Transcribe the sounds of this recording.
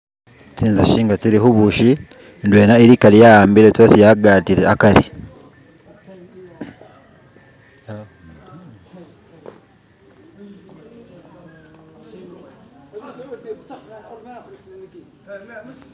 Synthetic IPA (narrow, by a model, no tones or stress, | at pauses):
tiːnzaʃiːŋɡatiɾiɦuβuʃi | ndweːnaiɾikalijaaːmbiɾetwasijaɡaːtiɾeʔakaɾḭ